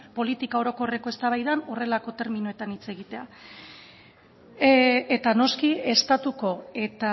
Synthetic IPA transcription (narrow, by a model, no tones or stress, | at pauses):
po̞lit̪ikao̞ɾo̞ko̞re̞ko̞e̞st̪aβajðano̞re̞lako̞t̪e̞ɾminue̞t̪anit͡se̞ɣ̞it̪e̞a | et̪ano̞skie̞st̪at̪uko̞e̞t̪a